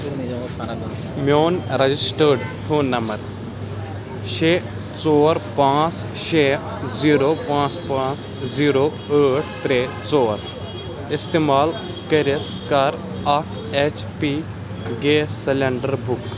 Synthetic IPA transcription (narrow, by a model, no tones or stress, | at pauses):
moːnɾɐd͡ʒɪsʈəɾɖfʰoːnːɐməɾ | ʃeː | t͡soːɾpãːt͡sʃeː | ziːɾoːpãːt͡spãːt͡s | ziːɾoː | əːʈʰt̪ɾeː | t͡soːɾ | ɪst̪eːmaːl | kəɾit̪ | kɐɾ | ɐʈʰ | et͡ʃ | pi | ɡeːsɪleɳɖəɾbuk